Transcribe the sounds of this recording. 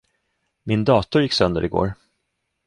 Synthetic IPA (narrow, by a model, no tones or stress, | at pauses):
mɪnd̪ɑːt̪ʊɾjɪkːsœnd̪ə̰ɾɪɡo̰ːɾ